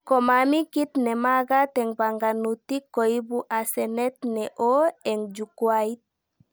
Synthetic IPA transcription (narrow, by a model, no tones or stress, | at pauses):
komamikit̪nɛmaɡat̪ɛŋbaŋɡanut̪ikːoibuʔasɛnɛt̪nɛʔoɛŋd͡ʒukwait̪̚